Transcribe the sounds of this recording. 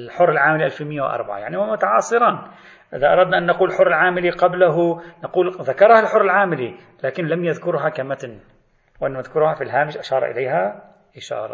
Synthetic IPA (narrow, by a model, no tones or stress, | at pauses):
lħʊrːɪlʕaːmɪliʔalfimɪjːawʔɑ̰ɾˤba̰ʕa̰jaʕnihamʊt̪aʕɑːsˤɨɾɑːn | ʔɪðaʔɑ̰ɾˤɑd̪naʔanːaquːllħʊrˤːɪlʕaːmɪliqablaɦunaquːlðakɑɾˤhalħʊrˤːɪlʕaːmɪli | laːkɪnlamjaðkʊɾɦakamat̪n | wʔanːmaðkʊɾhafilɦaːmɪʃʔaʃɑːɾˤʔɪ̰laːɦa | ʔɪʃɑ̰ːɾˤɑ̰